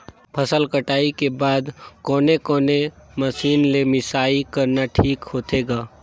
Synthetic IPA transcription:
pʰəsəlkəʈaːikebaːd̪kɔːnekɔːneməsiːnlemɪsaːikəɾnaʈʰiːkhoːt̪eːɡaː

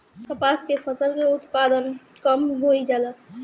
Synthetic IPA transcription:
t̪əpaːskepʰəsəlkeʊt̪paːd̪ənkəmɦoid͡ʒaːla

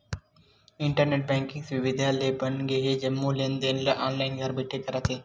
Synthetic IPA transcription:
ɪɳʈəɾneʈ̚bɛ̃ːŋkɪ̃ŋɡsʋɪʋɪd̪ʱaːleːbɐnɡeɦed͡ʒɐmːulẽnd̪enlaʔaːnlaɪnɡaɾbɪʈʰːekɐɾat̪ʰeː

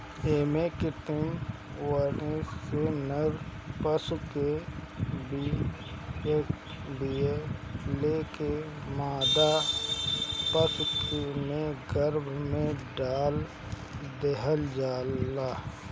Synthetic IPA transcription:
eːmekɪt̪ɪm | wənesenəɾ | pəsuke | bi | ek | bieleːke | maːd̪a | pəsukemẽɡəɾbʱmẽɖaːl | d̪eɦəld͡ʒaːlːaː

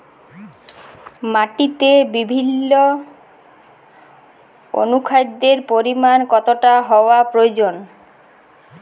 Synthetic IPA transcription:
maʈit̪ebibʱinːo | o̰nukʰajd̪eɾpoɾimankɔt̪oʈaɦɔoapɾood͡ʑon

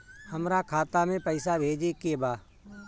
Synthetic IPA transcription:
həmɾakʰaːt̪amẽpəɪsabʱeːd͡ʒekebaː

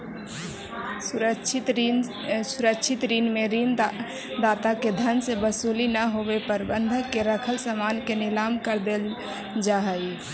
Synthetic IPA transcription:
ət͡ʃʰt̪ | suɾəkʃʰit̪ɾinmeɾin | d̪at̪aked̪ʱənsebəsolinəɦobepəɾbənd̪ʱkeɾəkʰəlsəmankenɪlamkəɾd̪el | d͡ʒaɦəi

